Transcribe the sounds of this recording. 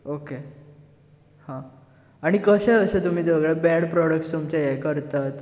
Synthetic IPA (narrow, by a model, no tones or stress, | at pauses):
oke | hã | aɽ̃ikəɕẽəset̪um̤iːd͡zəɡɭabɛɽpɾɔɽək̚ʈst̪umt͡ɕajekəɾt̪at̪